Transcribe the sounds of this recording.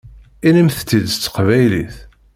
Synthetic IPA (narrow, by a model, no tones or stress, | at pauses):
inəmθt͡s̪ːid̪t͡sːə̥qvæjliθ